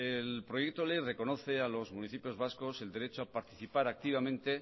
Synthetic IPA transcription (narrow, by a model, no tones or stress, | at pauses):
elpɾo̞jek̚t̪olejre̞ko̞no̞θe̞alo̞zmũniθipjo̞zβasko̞se̞ld̪e̞ɾet͡ʃoapaɾt̪i̥θipaɾak̚t̪iβ̞amẽnt̪e̞